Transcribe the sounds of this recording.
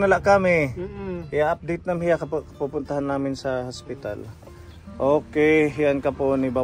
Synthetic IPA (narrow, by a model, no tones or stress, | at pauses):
nɐlaʔkamɪ | jaʔap̚d̪ejt̪̚nɐmhɪjakɐpkɐpupʊnt̪ɐɦanːaːmɪnsɐhospɪt̪a̰l | ʔoːkɛjɦɪjankɐponɪba